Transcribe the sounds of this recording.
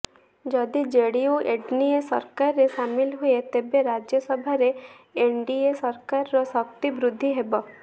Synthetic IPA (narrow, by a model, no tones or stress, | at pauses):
d͡ʒɔd̪id͡ʒeɽiuʔeɖniesɔ̰ɾkaɾːeʃamilɦuet̪ebeɾad͡ʒjɔsɔbʱaɾe | eɳɖiesɔɾkaɾːɔsɔk̚t̪ibɾud̪ʱːiɦebɔ